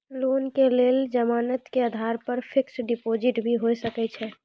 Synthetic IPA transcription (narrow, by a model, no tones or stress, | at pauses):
lonkeleld͡ʒəmaːnət̪keəd̪ʱaɾpəɾpʰɪksɖipod͡ʒɪʈbʱiɦosəkɛt͡ʃʰɛ